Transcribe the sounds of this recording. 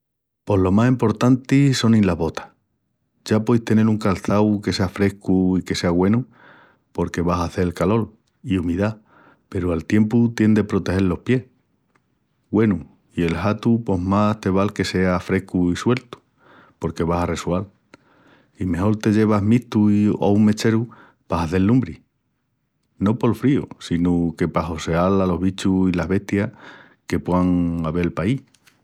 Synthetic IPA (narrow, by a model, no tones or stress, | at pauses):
po̞ɦlo̞masimpo̞ɾt̪ant̪iso̞nĩnlaβo̞t̪ḁ | ʝapwojst̪e̞ne̞luŋkalθawke̞se̞afɾe̞hkuike̞se̞aɣwe̞nu | po̞ɾke̞βasaθe̞elkalo̞l | iumiða | pe̞ɾualt̪je̞mput̪je̞nd̪e̞pɾo̞t̪e̞he̞lːo̞hpje̞h | ɡwe̞nu | ie̞lhat̪upo̞ɦmast̪e̞β̞alke̞se̞afɾe̞kuiswe̞lt̪u̥ | po̞ɾke̞β̞asare̞swal | ime̞ho̞ɾt̪e̞ʝe̞β̞aɦmiht̪uiouŋme̞t͡ʃe̞ɾu | paɦaθe̞lːumbɾi | no̞po̞lfɾiusinuke̞paɦo̞se̞alalo̞ɦβit͡ʃuilaɦβe̞ht̪ja | ke̞pweaŋaβe̞lpaih